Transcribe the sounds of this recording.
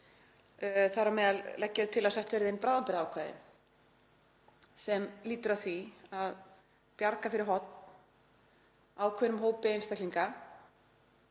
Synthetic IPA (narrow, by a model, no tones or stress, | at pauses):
θaɾamɛːðallɛcːaðt̪ʰɪlaðsɛht̪vɛɾðɪejnpɾaːðampɛɾawkʰvaːðɪ̰ | sɛmliːt̪ʏɾaθviað | pjaɾkafɪɾɪɾɦɔt̪n̥ | aːwkʰvɛnʏmɦoːwpɪejnst̪akliŋka